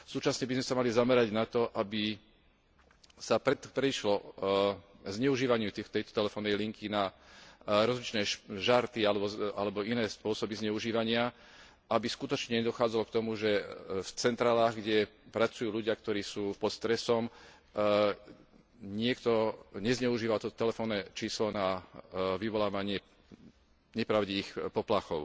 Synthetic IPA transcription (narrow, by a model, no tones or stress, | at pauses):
suːt͡ʃasɲɛbizmɛsamalizamɛɾaɟnat̪ɔʔabi | sapɾɛpɾɛiʃlɔ | zɲɛuʒiːʋaɲɪut̪it̪ɛjt̪ɔ̥t̪ɛlɛfɔːnːɛjliŋkʰina | ɾɔzlit͡ʃnɛːʃʒaɾt̪ialɛbɔalɛbɔinɛːspʊɔsɔbizɲɛʊʒiːʋaɲɪa | ʔabiskut̪ɔt͡ʃɲɛɲɛd̪ɔxaːd͡zalɔkt̪ɔmuʒɛft͡sɛnt̪ɾaːlaːɣɡɟɛpɾat͡sujuːluɟɪak̚t̪ɔɾiːsuːpɔt̪st̪ɾɛsɔm | ɲɪɛkt̪ɔɲɛzɲɛuʒiːʋat̪ɔt̪ɔ̥t̪ɛlɛfɔːnːɛt͡ʃiːslɔnaʋiʋɔlaːʋaɲɪɛ | ɲɛpɾaʊɟiiːxpɔplaxɔʊ